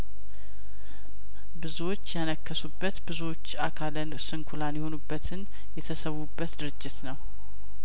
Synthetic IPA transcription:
bɨzuwo̞t͡ʃːjanəkːəsubːət̪bɨzuwo̞t͡ʃːakʰalənsɨŋkʰulanjɛho̞nubːət̪ʰɨn | jɛt̪ʰəsəβubːət̪d̪ɨɾɨd͡ʒːɪt̪nəw

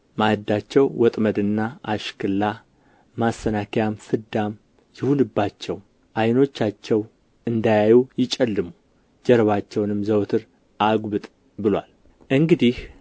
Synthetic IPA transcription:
mahɨd̪ːat͡ʃːɛwwɔt̪ʼməd̪ɨnːaʔaʃkʰɨlːa | masːənakʰjamfɨd̪am | jɪhulɨbːat͡ʃːɛw | ʔajno̞t͡ʃːat͡ʃːɛw | ɨnd̪ajajujɪt͡ʃʼɛlːɨmu | d͡ʒɛɾβat͡ʃːɛwnɨmzəwt̪ʰɨɾ | ʔaɡbɨt̪ʼ | bɨlwa̰l | ʔɨŋɡɨd̪ih

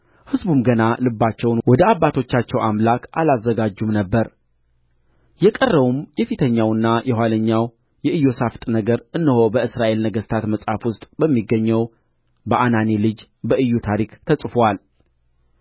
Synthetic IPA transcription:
hɨzbumɡənalɨbːat͡ʃːɛwnwɔd̪əabːat̪ʰo̞t͡ʃːat͡ʃːɛwʔamlakʔalazːəɡad͡ʒːumnəbːəɾ | jɛkʼərːəβumjɛfit̪ʰəɲːawɨnːajʔɛɦwaləɲːaw | jɛʔɨjːo̞saft̪ʼnəɡəɾʔɨnːɨho̞bəɨsɾaʔe̞lnəɡəst̪ʰat̪məsʼhafwʊst̪ʼbəmːiɡːəɲːɛw | bəʔanane̞lɨd͡ʒ | bəɨjːut̪ʰaɾikt̪ʰəsʼfowal

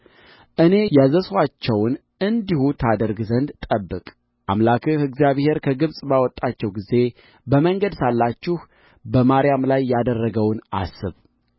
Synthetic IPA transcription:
ʔɨne̞jazəswat͡ʃːɛwn | ɨnd̪ihut̪ʰad̪əɾɡzənd̪t̪ʼəbːɨkʼ | ʔamlakʰɨhɨɡzijaβhe̞ɾkʰəɡɨβsʼbawɔt̪ʼːat͡ʃːɛwɡize̞ | bəməŋɡəd̪salːat͡ʃːɪh | bəmaɾjamlajːad̪ərːəɡəwnʔa̰sɨβ

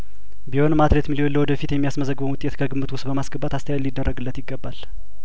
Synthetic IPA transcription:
biho̞nmat̪ɾet̪milio̞nləwɔd̪əfit̪jɛmːijasməzəɡbənwʊt̪ʼet̪kʰəɡɨmːɨt̪wʊst̪bəmasɡəbːat̪ast̪ʰəjalːid̪ːərːəɡɨlːət̪jɪɡːəbːal

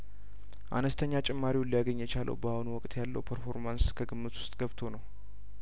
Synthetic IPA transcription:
ʔa̰nəst̪ʰəɲːat͡ʃʼɛmːaɾiwʊnlːijaɡəɲːjɛt͡ʃalʔə̰wbahunuwɔkʼt̪ʰʼjalːə̰wpʰəɾfo̞ɾmanskʰəɡɨmːɨt̪wʊ̥st̪ʼɡ̥əβt̪ʰo̞nəw

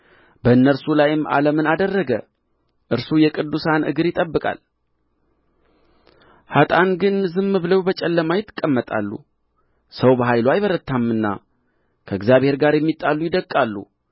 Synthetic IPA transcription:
bəɨnːəɾsulajɪma̰ləmɨnad̪ərːəɡə | ʔɨɾsujɛkʼɨd̪ːusanʔɨ̰ɡɨɾjɪt̪ʼəbːɨkʼa̰l | hat̪ʼanɡɨnzɨmːɨbɨləwbət͡ʃʼɛlːəmajɪt̪ʰːɨkʼːəmːət̪ʼa̰lːṵ | səwbəɦajlwajβəɾət̪ʰːamɨnːa̰ | kʰəɨɡzjaβhe̞ɾɡaɾjɛmːit̪ʼːalːujɪd̪əkʼːalːṵ

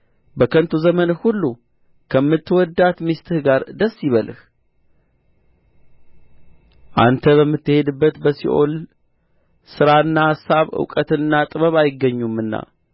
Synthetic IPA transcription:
bəkʰənt̪ʰuzəmənhulːu | kʰəmːɨt̪ːɨwɔd̪at̪mist̪ʰɨɡaɾd̪əsːiβəlɨh | ʔa̰nt̪ʰəβəmːɨt̪ːɨhe̞d̪ɨbːət̪bəsḭʔo̞̰l | sɨɾaɨnːahasːaβɨ̰wkʼət̪ɨnːat̪ʼɨβəβajɪɡːəɲːumɨnːa̰

